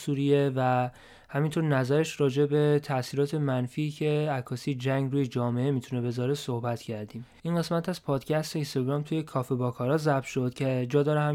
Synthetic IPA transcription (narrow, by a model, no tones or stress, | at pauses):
suːɾijevæ | hæmint̪ʰo̞ɾnæzæɾeʃɾɒːd͡ʒe̞be̞t̪ʰæsiːɾɒːt̪ʰe̞mænfiːcʰe̞ækʰːɒːsiːd͡ʒæŋɡɾuːje̞d͡ʒɒːme̞emit̪ʰune̞be̞zɒːɾe̞sohbæt̪ʰcʰæɾd̪iːmʔinɢe̞smæt̪æz̥pʰɒːd̪̥cʰæst̪e̞inst̪ɒɡɾɒːmt̪ʰuje̞kʰɒːfe̞bɒːkʰɒːɾɒːzæb̚ʃo̞d̪̥cʰed͡ʒɒːd̪ɒːɾeɦæ